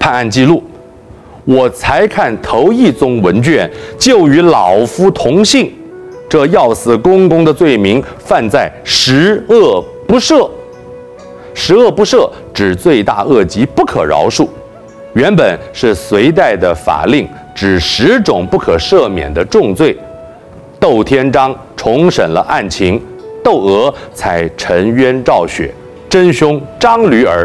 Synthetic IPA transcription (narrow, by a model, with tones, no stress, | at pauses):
pʰa˥˧na˥˧nt͡ɕi˥˧lu˥˩ | wɔ˨˩t͡sʰa˧˥ɪkʰa˥˩nt̪ʰo˧˥ʊi˥˩t͡sʊ˥ŋwə˧˥nt͡ɕɥɛ˥˩nt͡ɕjo˥˩ʊy˧˥lɑ˨˩ʊfu˥t̪ʰʊ˧˥ŋɕi˥˩ŋ | ʈ͡ʂɤ˥˧jɑ˥˧ʊsɹ̩˥˩kʊ˥ŋkʊ˥ŋd̪ə˨t͡swe˥˩ɪmi˧˥ŋfa˥˧nt͡sa˥˩ɪʂɻ̩˧˥ɤ˥˩ | pu˧˥ʂɤ˥˩ | ʂɻ̩˧˥ɤ˥˩pu˧˥ʂɤ˥˩ | ʈ͡ʂɻ̩˨˩t͡swe˥˧ɪt̪a̰˥˧ɤ˥˩t͡ɕi˧˥pu˥˩kʰɤ̰˨˩ɻɑ̰˧˥ʊʂu˥˩ | ɥɛ˧˥npə˨˩nʂɻ̩˥˩swe˧˥ɪt̪̬a˥˩ɪd̪ə˩fa̰˨˩li˥˩ŋ | ʈ͡ʂɻ̩˨˩ʂɻ̩˧˥ʈ͡ʂʊ˨˩ŋpu˥˩kʰɤ˨˩ʂɤ˥˩mjɛ̰˨˩nd̪ə˦ʈ͡ʂʊ˥˧ŋt͡swe˥˩ɪ | t̪o˥˩ʊt̪ʰjɛ˥nʈ͡ʂɑ˥ŋ | ʈ͡ʂʰʊ˧˥ŋʂə˨˩nlə̰˦ʔa˥˩nt͡ɕʰi˧˥ŋ | t̪o˥˩ʊɤ˧˥t͡sʰa˧˥ɪʈ͡ʂʰə˧˥ŋɥɛ˥nʈ͡ʂɑ˥˩ʊɕɥɛ̰˨˩˦ | ʈ͡ʂə˥nɕʊ˥ŋʈ͡ʂɑ˥ŋly˧˥ə˞˧˥